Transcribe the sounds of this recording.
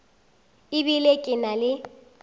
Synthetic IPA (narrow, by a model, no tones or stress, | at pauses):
ɪbilekʼɪnalɪ